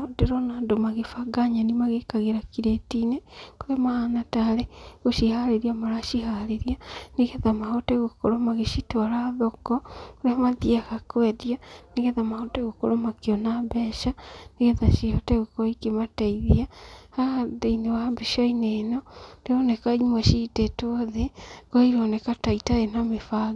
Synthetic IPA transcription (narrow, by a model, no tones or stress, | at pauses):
odeɾonaːndomaɣefaɡaɲanimaɣekaɣeɾakiɾetinekoɾemahanataɾeɣoʃihaɾeɾiamaɾaʃihaɾeɾianiɣeðamahoteɣokoɾomaɣeʃitwaɾaðokɔkoɾeamaðiaɣakwɛðjaniɣeðamahoteɣokoɾomakiɔnabɛʃaniɣeðaʃihɔteɣokoikemataiðiahaðeinewambeʃaineːnɔdeonekaɲimweʃitetoðekwaiɾonekataitaenamefaɣ